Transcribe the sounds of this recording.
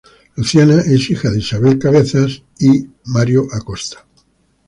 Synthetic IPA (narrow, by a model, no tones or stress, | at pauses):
luθjanaʔesixaðeisaβelkaβeθas | i | maɾjoʔakost̪ḁ